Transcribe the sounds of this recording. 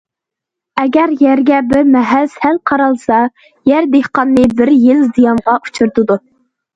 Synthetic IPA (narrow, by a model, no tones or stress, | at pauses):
ɛɡʲæɾjæɾɡʲɛbɪɾmɛɦælshælqʰɑɾɑlˠsɑ | jæɾd̪ehqɑnːɨbɪɾjɪlzijɑmʁɑʔut͡ʃʰuɾt̪ɨd̪u